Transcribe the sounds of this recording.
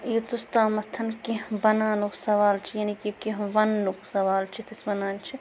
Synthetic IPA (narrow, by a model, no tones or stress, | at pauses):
jot̪ust̪aːmɐt̪ʰːɐnkiɦbɐnaːnuksɐʋaːlt͡ʃʰijaːnikikiɦʋɐnːuksɐʋaːlt͡ʃʰit̪ʰisbɐnaːnt͡ʃʰi